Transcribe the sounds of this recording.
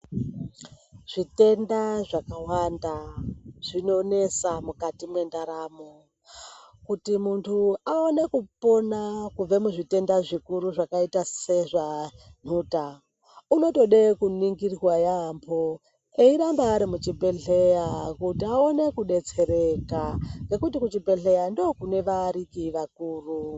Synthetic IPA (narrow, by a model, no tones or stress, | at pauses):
ʐ̥ite̞ndaʐakawandaʐ̥ino̞ne̞samukatimwe̞ndaɾaːmo | kutimuntʰuao̞ne̞kupo̞nakub͡vemuʐite̞ndaʐikuɾuʐakaitaseʐan̤uːta | uno̞to̞ɗekuniŋɡirwajambʰo | eiɾambaːɾimut͡ʃibʱe̞ɬe̞jakutiao̞ne̞kuɗe̞t͡se̞ɾe̞kaŋɡe̞kutikut͡ʃibʱe̞ɬejandokune̞ʋaɾikiʋakuːru